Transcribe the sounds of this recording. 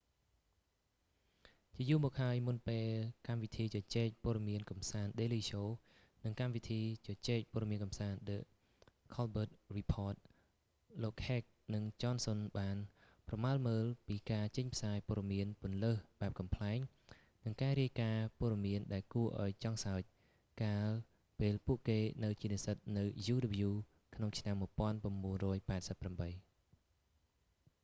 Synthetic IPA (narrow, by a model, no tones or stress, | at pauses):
t͡ɕiəjuːmɔːk̚haəjmunpeːlkamʋit̪ʰiːt͡ɕɑt͡ɕɛːc̚poəɗɑmiənkɑmsaːnɗeːliːɕoː | nɨŋkamʋit̪ʰiːt͡ɕɑt͡ɕɛːc̚poəɾɗɑmiənkɑmsaːnɗəʔ | kʰɔlɓəːt̪̚ripʰɔːt̪̚ | loːk̚hɛːk̚nɨŋt͡ɕɑːnsonɓaːn | prɑmaəlməːlpiːkaːt͡ɕəɲpʰsaːjpŏərɗɑmiənpʊ̆ənləːhɓaɛp̚kɑmpʰlaɛŋ | nɨŋkaːɾiəjkaːpoəɗɑmiənɗaɛlkuəʔa̰ɔjt͡ɕɑŋsaəc̚ | kaːl | peːlpuəʔkeːnɨwt͡ɕiəniəsət̪̚nɨwjuːɗəp̚juː | kʰnoŋt͡ɕʰnamːuəjpŏənpraəmɓuənrɔːjpaɛt̪̚səpːramɓəj